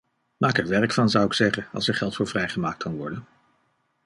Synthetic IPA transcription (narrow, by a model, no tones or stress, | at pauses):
maːkɛɹʋɛɹkfɑnzɑwɪksɛχənɑ̰lˠsɛɹχɛlˠtfʊːɹvrɛjχəmaːk̚tkʊnʋɔɹdən